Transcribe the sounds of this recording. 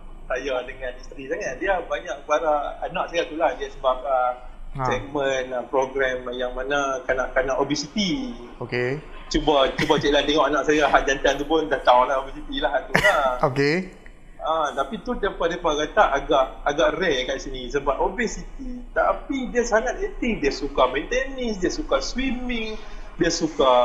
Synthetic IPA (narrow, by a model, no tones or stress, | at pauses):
sajadəŋanist̪ɾisaŋat̪̚diabaɲaʔkəlaɾaanãʔsajat̪ulahdiasəbap̚a | sɛk̚mənpɾoɡɾɛmjaŋmanakanaʔkanaʔobisit̪i | oke | t͡ʃubat͡ʃubat͡ʃɛʔlant̪ɛŋɔʔanãʔsajaɦaʔd͡ʒant̪ant̪upʊndaht̪aolaobisit̪ilaɦaʔt̪ulaoke | ʔat̪apit̪ud̪epaʔdepakat̪aʔaɡaʔaɡaʔrɛkaʔsinisəbap̚obesit̪it̪apidiasaŋat̪̚ɛt̪iŋdiasukamɛnt̪ɛnisdiasukaswimɪŋdiasuka